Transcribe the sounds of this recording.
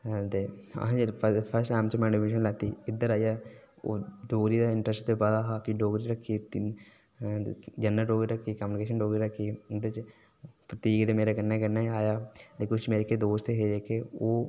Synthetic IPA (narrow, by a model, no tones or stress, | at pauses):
t̪eã̰d͡ʒipʰpʰəɾsʈãːmt͡ʃmɛ̃ɳmeːʃ̬ənlɛːt̪iːɪd̪əɾaːijaː | o̰ɖoːɡɾid̪aɪɳʈɾəsʈd̪ebad̪aːɦaːpʰɪɖoːɡɾiɾəkʰːit̪ | d͡ʒɐnːaɖoːɡɾiɾəkʰːikaːmjunɪkeːʃənɖoːɡɾiɾəkʰːiɪd̪əɾt͡ʃ | pɾət̪iːɡd̪emeːɾakənːakəɾnːaaːjaːd̪eːkʰot͡ʃmeːɾeked̪oːst̪eɦeeːkeoː